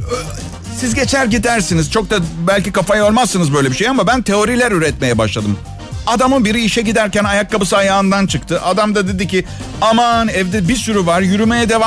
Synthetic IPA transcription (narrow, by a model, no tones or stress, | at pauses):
sizɟe̞t͡ʃʰæɾɟid̪æɾsinizt͡ʃʰo̞k̚t̪abælʲcikafajo̞ɾmasːɯnɯzbø̞jlʲebiʃejamabænt̪ʰe̞o̞ɾilʲæɾyɾɛt̪me̞jɛbaʃlˠad̪ɯm | ad̪amɯnbiɾiːʃɛɟid̪æɾcænajakːabɯsɯajaːɯnd̪ant͡ʃʰɯkt̪ʰɯʔad̪amd̪ad̪e̞d̪ici | amanɛvd̪ɛbisyɾyvaɾjyɾymejɛd̪e̞va